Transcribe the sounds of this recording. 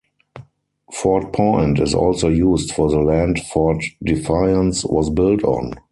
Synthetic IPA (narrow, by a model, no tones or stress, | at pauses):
fɔt̚pʰɔ̃ɪ̃ntɪzɔ̰lsoʊjuːstfɔðəlæ̃ndfɔtdɪfaɪə̃nswɔsbɪltʰɔ̰̃n